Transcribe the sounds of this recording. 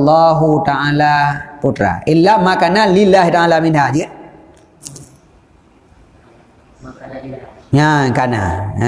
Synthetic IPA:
lːaːɦut̪aʕaːlaːpuʈɾa̰ʔɪlːamakanalɪlːaːɦit̪aaːlaːmɪnd̪ad͡ʒiə | ɲakana̰

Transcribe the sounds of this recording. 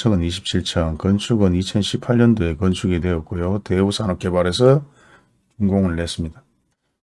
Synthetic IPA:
t͡ɕʰʌŋɯniɕʰi̥p̚t͡ɕʰiɭt͡ɕʰʌnkʌnt͡ɕʰuɡɯnit͡ɕʰʌnɕʰipʰaʎɲʌndoe̞kʌnt͡ɕʰuɡidwe̞ʌt̚k͈ojote̞usʰanʌk̚k͈e̞baɾe̞sʰʌ | kuŋɡoŋɯɭːe̞s͈ɯmɲida

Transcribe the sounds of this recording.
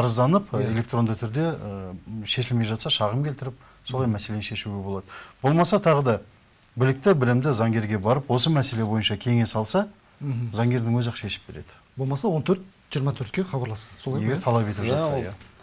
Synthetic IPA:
ɑɾəzd̪ɑnəpe̞lʲe̞kt̪ro̞nd̪ət̪ʰʏɾd̪e̞ | ʃe̞ʃɪlme̞jʒɑt̪sɑʃɑʁəmkʲelt̪ɪɾɪp̚ | so̞lˠɑjmæsee̞nʃe̞ʃuɡʲe̞bo̞lˠɑd̪əbo̞lˠmɑsɑt̪ʰɑʁəd̪ɑ | bɪlɪk̚t̪ɪbɪlɪmd̪ɪzɑŋɡʲe̞ɾɡʲe̞bɑɾəpwo̞səmæse̞le̞bo̞jənʃɑkʲʰe̞ŋe̞sɑlˠsɑ | zɑŋɡʲe̞ɾd̪ɪŋwɵzɑʃe̞ʃɪ̥p̚be̞̰ɾe̞̰d̪̥ɪ̥ | bolˠmɑsɑwont̪ʰɵɾt̪̚ | ʒijəɾmɑt̪ʰɵɾt̪kʲeχɑbɑɾlˠɑsɑsojeet̪ʰɑlˠɑpe̞t̪ɪpʒɑt̪sɑjæ

